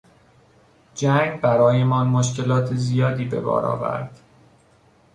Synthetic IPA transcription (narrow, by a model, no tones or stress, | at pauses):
d͡ʒæŋɡbæɾɒːje̞mɒːnmoʃce̞lɒːt̪ʰezijɒːd̪iːbe̞̰bɒ̰ːɾɒ̰ːvæ̰ɾd̪̥